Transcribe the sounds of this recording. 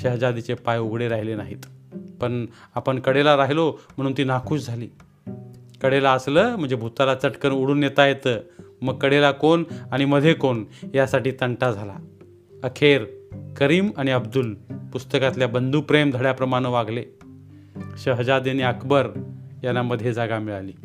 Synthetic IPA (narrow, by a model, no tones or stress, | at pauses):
ɕəɦd͡zad̪it͡sepajuɡɽeɾaɦilenaɦiːt̪pəɳ | apəɳkəɽelaɾaɦilom̤əɽ̃uːnt̪iːnakʰuːsd͡zʱaliː | kəɽelaəsləːm̤əɳd͡zebʱut̪alat͡səʈkəɾuɽ̤uːnjet̪ajet̪əːməɡ̚kːəɽelakonaɽ̃iməd̪ʱekonjasaʈiːt̪əɳʈad͡zʱala̰ | əkʰeɾkəɾiːmaɽ̃iəbd̪ulpust̪əkat̪ljabənd̪uːpɾemd̪ʱəɽjapɾəmaɽ̃əʋaɡʱle | ɕəɦd͡zad̪eniːəkʰbəɾjanːaməd̪ʱːjed͡zaɡamiɭalḭː